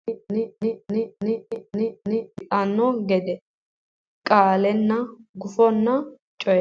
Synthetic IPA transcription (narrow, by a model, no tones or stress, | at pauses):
t̪ʼɐnːɔɡɛd̪ɛ | kʼaːlɛnːɐɡʊfɔnːɐ | t͡ʃʼɔj